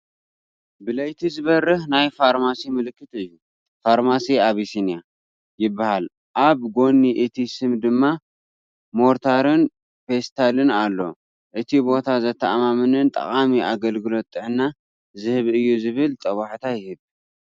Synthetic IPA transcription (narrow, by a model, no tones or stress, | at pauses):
bɨlɐjt̪ʰizɨβɐrːɨhnajfaɾmasimɨlɨkːɨt̪ɨjːu | faɾmasiaβisinija | jɪbːahal | ʔaβɡo̞nːiʔɨt̪ʰisɨmd̪ɨmːa | mo̞ɾt̪ʰaɾɨn | fest̪ʰalɨnalːo̞̰ | ʔɨt̪ʰibo̞t̪ʰazɐt̪ʰːɐʔmamɨnɨnt̪ʼɐ̰χʼamiʔaɡɐlɡɨlo̞t̪ʼːɨʕna | zɨhɨβɨjːuzɨβɨlt̪ʼɐwaħt̪ʰajɪhɨβ